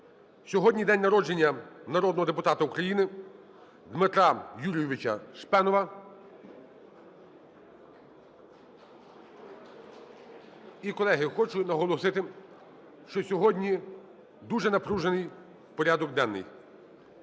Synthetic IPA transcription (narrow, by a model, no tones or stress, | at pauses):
sʲɔɦɔdʲnʲijd̪ɛnʲnɐɾɔd͡ʒe̞nʲːɐnɐɾɔd̪nɔɦɔd̪epʊt̪ɑt̪ɐukɾɐjinɪ | d̪mɪt̪ɾɑjulʲijɪʋɪt͡ʃɐ̰ʃpɛnɔʋɐ | ikɔlˠɛɦɪxɔt͡ʃʊnɐɦɔlˠɔsɪt̪ɪ | ʃt͡ʃɔsʲɔɦɔdʲnʲi | d̪uʒɛnɐpɾuʒenɪj | pɔɾʲad̪ɔɡd̪ɛnːɪ̰j